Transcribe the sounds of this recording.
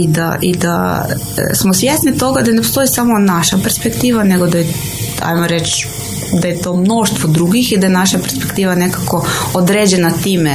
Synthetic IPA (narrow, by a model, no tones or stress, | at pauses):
id̪a̰id̪a̰ | smosʋjesnit̪o̞ɡad̪anepost̪o̞jisamonaʃapeɾspekt̪iːʋaneɡod̪aje | a̰jmoɾet͡ʃ | d̪ajet̪o̞ːmno̞ʃt̪ʋod̪ɾuɡixid̪ajenaʃape̞ɾspe̞kt̪iːʋane̞kako̞od̪ɾeːd͡ʑenat̪iːme